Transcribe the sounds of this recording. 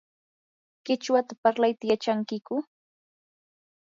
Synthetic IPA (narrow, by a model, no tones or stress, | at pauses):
kɪt͡ʃwat̪apaɾlajt̪ajat͡ʃaŋkɪkʊ